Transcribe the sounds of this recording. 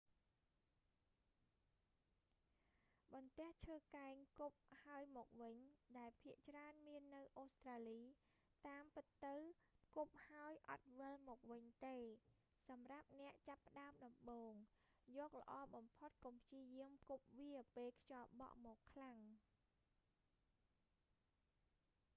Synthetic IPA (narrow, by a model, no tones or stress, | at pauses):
ɓɑnt̪ɛ̆əht͡ɕʰəːkaɛŋkup̚haəjmɔːk̚ʋɨɲɗaɛlpʰiəʔt͡ɕraənmiənːɨwʔoːst̪raːliː | t̪aːmpɨt̪ːɨwkup̚haəjʔɑ̰t̪̚ʋɨlmɔːk̚ʋɨɲt̪eː | sɑmrap̚nɛ̆əʔt͡ɕapːə̆ɗaəmɗɑmɓoːŋ | jɔːk̚lə̆ʔɑːɓɑmpʰot̪̚kompʰjiəjiəmkup̚ʋiəpeːlkʰjɑːɓɑ̰ʔmɔːkʰːlaŋ